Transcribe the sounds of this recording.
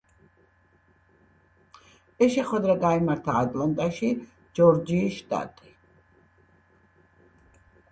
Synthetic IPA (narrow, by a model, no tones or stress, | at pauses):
ɛsʃɛχwɛd̪ɾaɡaimaɾt̪ʰaːt̪ʼlant̪ʼaʃi | d͡ʒɔɾd͡ʒiːʃt̪ʼa̰t̪ʼi